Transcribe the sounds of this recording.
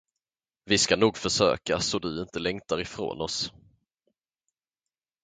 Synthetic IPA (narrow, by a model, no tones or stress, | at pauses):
vɪskanuːɡfœʂø̰ːka̰sɔd̪ɵɪnt̪əlɛŋt̪aɾɪfɾo̰ːnɔs